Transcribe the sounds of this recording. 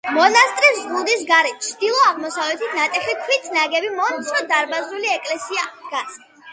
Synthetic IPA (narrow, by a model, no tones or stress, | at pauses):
mɔnast̪ʼɾiszʁud̪isɡaɾɛt͡ʃʰd̪ilˠɔaʁmɔsavlɛt̪ʰit̪ʰnat̪ʼɛχikʰwit̪ʰnaɡɛbimɔnt̪sʰɾɔd̪aɾbazuliɛkʼlɛsiaɡ̥at̪sʼ